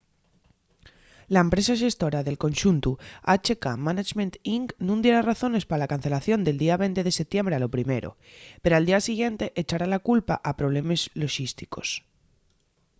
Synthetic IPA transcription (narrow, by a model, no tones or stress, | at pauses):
laempɾe̞saʃ̬e̞st̪o̞ɾaðe̞lko̞nʃunt̪uat͡ʃe̞kamanat͡ʃmẽnt̪iŋknũnd̪je̞ɾaraθo̞ne̞spaalakanθe̞laθjo̞nd̪e̞ld̪iaβ̞e̞jnt̪e̞ð̞e̞se̞p̚t̪je̞mbɾealo̞pɾime̞ɾo̞̰ | peɾoald̪iasiɣje̞nt̪e̞ʔet͡ʃaɾalakulpaʔapɾo̞β̞le̞me̞zlo̞ʃist̪i̥ko̞̥s